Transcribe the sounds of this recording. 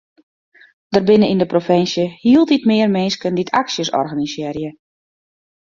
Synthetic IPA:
d̥ərbɪnəindəprofɪnsjəhiəlˠtitmɪːərmɪnskənditʰa̰ksjəsɔ̰rɣanisɪːrjə

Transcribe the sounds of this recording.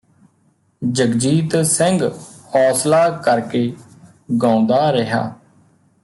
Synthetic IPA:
d͡ʒəɡd͡ʒiːt̪sə̃ŋɡhɔːslaːkəɾkeː | ɡãːʊ̃nd̪aːɾəɦa̰ː

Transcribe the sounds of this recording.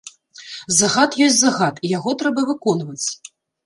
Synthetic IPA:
zaɣat̪jɔsʲtʲzaɣat̪ijaɣɔt̪ɾɛbɐvɨkɔnvɐt͡sʲ

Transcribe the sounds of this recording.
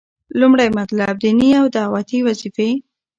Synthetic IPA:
lumɽajmat̪lab̚d̪iniawd̪awɑt̪iwazife

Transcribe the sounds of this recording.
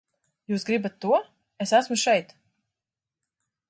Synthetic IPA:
juːsɡɾibat̪ːuɔ | esæsmuʃɛjt̪

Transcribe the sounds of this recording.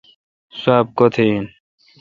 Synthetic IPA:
saːb̚kot̪ʰen

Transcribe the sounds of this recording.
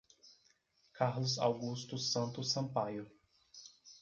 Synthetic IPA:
kaɾlʊza̰wɡust̪ʊsɐ̃nt̪ʊsɐ̃pajʊ

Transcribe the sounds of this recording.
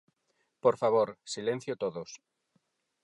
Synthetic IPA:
poɾfaβ̞oɾsilẽn̟θjot̪oðos

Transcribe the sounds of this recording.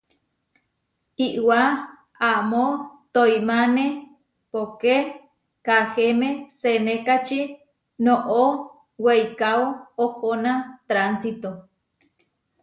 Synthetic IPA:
iʔwa | amot̪ojmane | poke | kahemesenekat͡ʃi | noʔo | wejkaoohonat̪ɾansit̪o

